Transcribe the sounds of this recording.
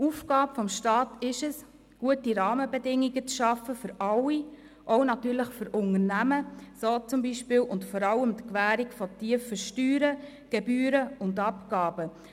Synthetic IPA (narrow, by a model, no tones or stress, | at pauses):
uːfɡɑːbfɔmʃtɑːtɪʃəs | ɡ̥uətiɾɑːməbɛdɪŋiɡət͡sʃɑfəfʏɾɑwi | ʔɔʊnɑtyːɾləχfʏɾʊnərnæməsoːt͡sʊmbiʃpɪːlwʔʊntfɔɾɑləmd̪kʋæːɾikfɔtiəfəʃtyːɾə | ɡ̥ɛbyːɾəʊndɑpɡɑːbə